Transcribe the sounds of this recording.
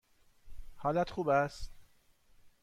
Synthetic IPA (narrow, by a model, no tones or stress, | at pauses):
hɒːlæt̪ʰχuːbæst̪